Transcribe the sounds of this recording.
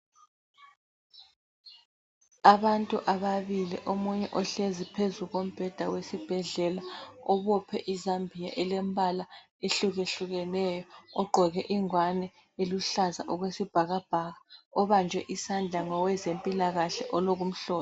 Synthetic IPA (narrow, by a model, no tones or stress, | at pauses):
aβantʼuʔaβaβilḭʔomuɲɛʔɔɬezipʰezuɣom̩b̥ʱɛd̥ʱawesib̥ʱɛɮɛlaɔβɔpʰɛ̰ʔizambʱija̰ʔɛlembʱala | eɬuɣeɬuɣɛnɛjɔɔɡ͡ǃʱɔɣɛʔiŋwanɛ | eluɬaza̰ʔɔɣwesib̥ʱaɣab̥ʱaɣaɔβand͡ʒʱwɛʔisand͡ɮʱaŋɔwɛzempʼilaɣaɬɛʔɔloɣum̩ɬɔː